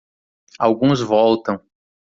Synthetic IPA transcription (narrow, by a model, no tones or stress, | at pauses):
awɡũzvɔwt̪ɐ̃w̃